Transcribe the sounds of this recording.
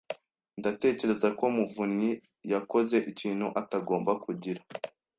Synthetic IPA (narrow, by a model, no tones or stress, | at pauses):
ndate̞ːce̞ɾe̞zako̞muvuɲi | jako̞ze̞ʔiciːn̥huʔataɡo̞ːmbakuɟiɾa